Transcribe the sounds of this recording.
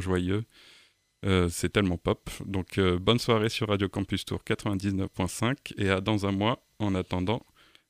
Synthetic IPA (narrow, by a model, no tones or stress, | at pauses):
ʒwajø | øsɛt̪ɛlmɑ̃pɔpd̪ɔ̃kʰøbɔnswaʁesyʁːad̪jokɑ̃pyst̪ṵʁkat̪χəvɛ̃d̪iznœfpwɛ̃sɛ̃kead̪ɑ̃zɛ̃mwa | ɑ̃nat̪ɑ̃d̪ɑ̃